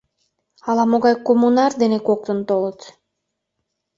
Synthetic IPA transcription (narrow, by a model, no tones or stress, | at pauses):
ɑlˠɑmoɣɑjkomunard̪enekok̚t̪ont̪olˠɤt̪